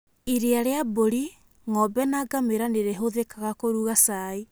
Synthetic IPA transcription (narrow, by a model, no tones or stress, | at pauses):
iɾeaɾeaboɾi | ŋɔbɛnaɡameɾaneɾeɦoðekaɣakoɾuɣasai